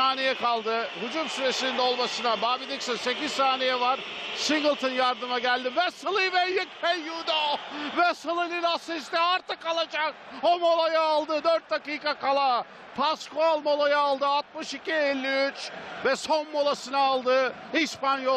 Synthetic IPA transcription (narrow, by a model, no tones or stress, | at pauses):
aːnejɛkalˠd̪ɯhud͡ʒumsyɾe̞sinind̪o̞lˠmasɯnabaːbid̪iksanse̞cizsaːnejɛvaɾsiŋɡɯlˠt̪ʰɯnjaɾd̪ɯmaɟælʲd̪ivɛsɯlˠɯvɛjjekfɛjjud̪ovɛsɯlˠɯlʲilasist̪ɛaɾt̪ɯkːalˠad͡ʒak̚ | omo̞lˠajaːlˠd̪ɯd̪øɾt̪̚d̪akiːkakalˠa | pʰaskoalˠmo̞lˠajaːlˠd̪ɯat̪̚mɯʃicʲielʲːiyt͡ʃvɛso̞nmo̞lˠasɯnaːlˠd̪ɯ | ispanjo